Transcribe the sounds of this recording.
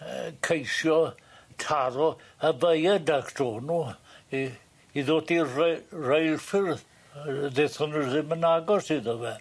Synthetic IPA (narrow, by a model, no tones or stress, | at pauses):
kʰejsjɔ | tʰaɾɔ | əvəjədakʰd̥ɔːnu | iðoːdirrejlfɪrð | ðeθhʊnərðɪmənaɡɔsiðəvɛ